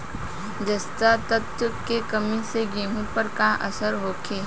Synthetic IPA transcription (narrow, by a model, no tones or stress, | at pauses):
d͡ʒɐst̪at̪ət̪kekɐmĩseɡẽːɦũpɐɾkãːʔɐsəɾɦoːkʰeː